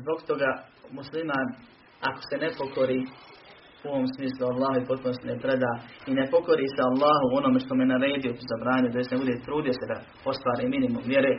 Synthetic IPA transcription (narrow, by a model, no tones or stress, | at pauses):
zboɡt̪o̞ɡaː | muslimaːn | a̰ko̥se̞nepo̞ko̞ɾiː | uoʋoːmsmiːslˠualːaːɦoipo̞t̪̚punost̪inepɾed̪aːinepo̞ko̞ɾiːsealˠːaːɦuo̞noːmeʃt̪omeenaɾe̞ːd̪ijo̞t̪uzabɾaːɲud̪ajesnebud̪et̪ɾuːd̪ijo̞se̞d̪a | o̞st̪ʋaːɾiːminimumʋje̞ɾeː